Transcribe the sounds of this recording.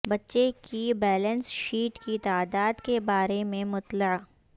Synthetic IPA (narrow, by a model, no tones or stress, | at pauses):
bɐtːʃekibɛːlənsʃiːʈkit̪aːd̪aːd̪kebaːɾemẽmʊt̪lə